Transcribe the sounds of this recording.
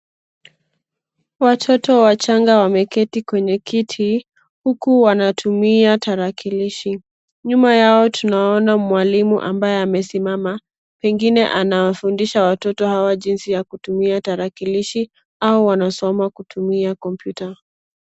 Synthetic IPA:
watʰɔtɔwat͡ʃaŋɡawamɛkɛtikwɛɲɛkitʰi | hukuwanatʰumiataɾakiliʃi | ɲumajaɔtʰunaɔnamwalimṵʔa̰mbajɛamɛsimama | pɛŋɡinɛʔanawafundiʃawatɔtɔhawaʄinsijakutumiataɾakiliʃi | auwanasɔmakutʰumiakɔmpjuta

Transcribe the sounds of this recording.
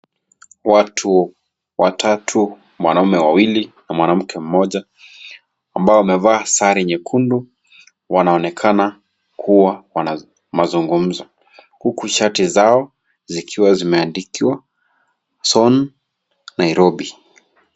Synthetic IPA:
watʰu | watʰatʰu | mwa̰naumɛwawilinamwanam̩kʰɛm̩mɔʄa | ambaɔwamɛvaːsaɾiɲɛkʰundu | wanaɔnɛkʰana | kʰuwawana | mazuŋɡum̩zɔ | hukuʃatizaɔ | zikʰiwazimɛandikiwa | sɔn | naiɾɔbi

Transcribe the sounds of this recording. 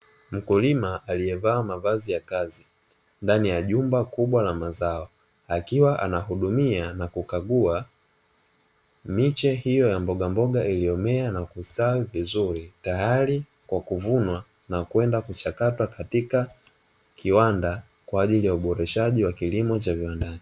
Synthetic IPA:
m̩kulimaʔːliɛvaːmavazijakazi | ndanijaʄumbakuɓwalamazaɔ | akiwaʔa̰nahuɗumianakukaɠua | mit͡ʃɛhijɔjambɔɠambɔɠaʔiliɔmɛanakustawivizuɾitajaɾi | kwakuvunwa | nakuwɛndakut͡ʃakatwakatika | kʰiwanda | kwaːʄilijauɓɔɾɛʃaʄiwakilimɔt͡ʃaviwandaɲi

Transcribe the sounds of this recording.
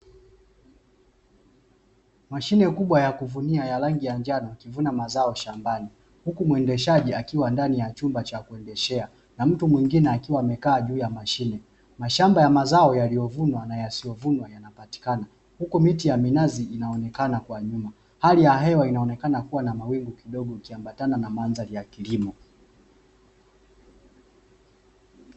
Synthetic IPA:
maʃinɛkuɓwajakuvuniajalaŋɡijand͡ʒanɔkivunamazaɔʃambani | hukumwɛndɛʃaʄiakiwandanijat͡ʃumbat͡ʃakuɛndɛʃɛa | nam̩tumwiŋɡinɛakiwaːmɛkaːʄuːjamaʃinɛ | maʃambajamazaɔjalijɔvunwanajasijɔvunwajanapati̥kana | hukumitijaminaziinaɔnɛkanakwaɲuma | halijaɦɛwainaɔnɛkanakuwanamawiŋɡukiɗɔɠɔikiambatananamanzalijakilimɔ

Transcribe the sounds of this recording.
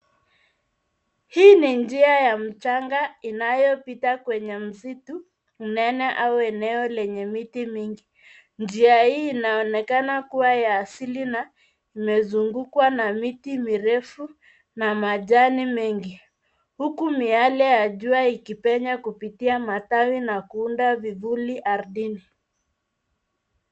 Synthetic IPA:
hiːnind͡ʒiajam̩t͡ʃaŋɡainajɔpitakwɛɲɛm̩zitu | unɛnɛʔauɛnɛɔlɛɲɛmitimiŋɡi | nd͡ʒiahiːnaɔnɛkanakuwajaːsilina | imɛzuŋɡukwanamitimiɾɛfu | namaʄanimɛŋɡi | hukumialɛjaʄuaikipɛɲakupitiamatawinakuundavivuliʔaɾðini

